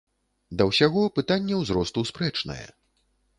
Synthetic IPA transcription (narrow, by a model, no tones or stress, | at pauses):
d̪ɐwsʲaɣɔpɨt̪anʲːɛwzɾɔst̪uspɾɛt͡ʂnɐ̰jɛ̰